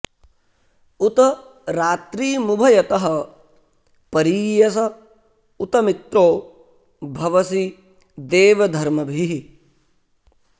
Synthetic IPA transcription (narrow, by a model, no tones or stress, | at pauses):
ut̪ɐ | ɾaːt̪ɾiːmubʱɐjɐt̪ɐɦɐ̆ | pɐɾiːjɐsɐ | ut̪ɐmit̪ɾoː | bʱɐʋɐsi | d̪eːʋɐd̪ʱɐɾmɐbʱiɦi